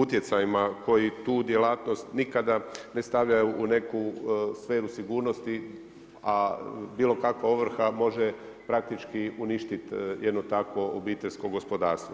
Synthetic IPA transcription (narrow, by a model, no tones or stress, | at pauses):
ut̪jet̪sajimako̞jit̪uːd̪je̞laːt̪no̞st̪nikad̪ane̞st̪aʋʎajuʔːne̞kusfe̞ːɾusiɡuːɾnost̪i | abiːlo̞kakʋaoʋr̩xamo̞ʒepɾak̚t̪it͡ʃkiuniʃt̪it̪jʔed̪not̪akʋo̞obiːt̪eʎʲsko̞ɡo̞spod̪aːɾst̪ʋo